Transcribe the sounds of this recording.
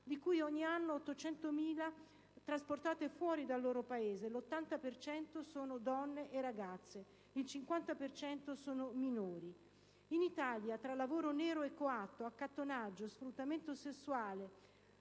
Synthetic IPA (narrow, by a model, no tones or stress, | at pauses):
d̪ikujɔɲːianːoːt̪ːot͡ʃɛnt̪omiːla | t̪ɾasport̪aːt̪efwɔːɾid̪alːoːɾopaeːzelot̪ːant̪apert͡ʃɛnt̪osoːnod̪ɔnːeʔeraɡat̪sːe | ilt͡ʃiŋkwant̪apert͡ʃɛnt̪osoːnominoːɾi | init̪aljat̪ɾalːavoːɾoneːɾoekːoat̪ːoakːat̪ːonad͡ʒːosfɾut̪ːament̪osesːuaːle